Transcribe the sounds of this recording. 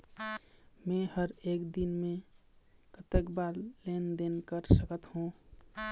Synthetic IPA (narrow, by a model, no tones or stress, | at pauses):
mẽhəɾeːkd̪inmẽ | kət̪əkbaːɾlend̪enkəɾsəkət̪hũ